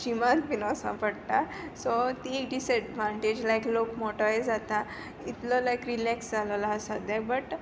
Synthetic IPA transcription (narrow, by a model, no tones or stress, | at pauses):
ɕimãt̪binasə̰̃mpəɽt̪a | sɔt̪ikɖisɛɖʋãɳʈed͡ʑlajklokmoʈaed͡zat̪a | it̪ləlajkɾilɛksd͡zaləlaɦəsad̪jabəʈ